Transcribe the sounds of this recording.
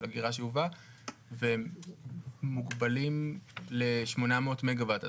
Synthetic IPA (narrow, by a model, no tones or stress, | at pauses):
aɡiʁaʃeuva | ve | uɡbalimle̞ʃmo̞nameotmeɡavata